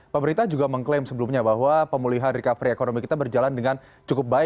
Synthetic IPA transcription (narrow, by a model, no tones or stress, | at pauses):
pəməɾint̪ahd͡ʒuɡaməŋklemsəbəlumɲabaɦwapəmuliɦanɾikafɾiekonomikit̪abərd͡ʒalandəŋan | t͡ʃukʊp̚baɪ